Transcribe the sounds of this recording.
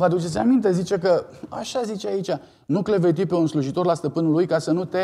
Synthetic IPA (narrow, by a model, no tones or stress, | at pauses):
vəad̪ut͡ʃet̪sʲamint̪e̞zit͡ʃe̞kə | a̰ʃazit͡ʃeait͡ʃʲa | nukle̞ve̞t̪̬ipe̞unsluʒit̪o̞rlast̪əpɨnulujkasənut̪e̞